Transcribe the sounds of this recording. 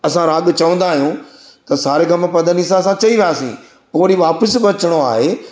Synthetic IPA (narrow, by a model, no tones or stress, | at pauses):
ɐsãɾaːɠt͡ʃɐʋə̃nd̪aːɦijũ | t̪ɐsaːɾekʰãːmẽpɐd̪ənis̬ãɐsãt͡ɕɐiʋɪaːsḭ̃ː | poːɾiʋaːpəsbɐt͡ʃɽ̃oa̰ːɦeː